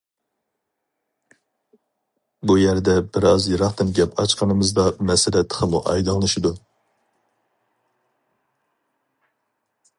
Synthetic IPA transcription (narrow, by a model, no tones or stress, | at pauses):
bujɛɾd̪ɛbɪɾɑzjɨɾɑχt̪ɨnɡʲɛpʰɑt͡ʃqʰɑnɨmɨzd̪ɑmɛsɪlɛt̪ʰːə̥qʰəmuʔɑ̰jd̪ɨŋlˠɨʃɪd̪u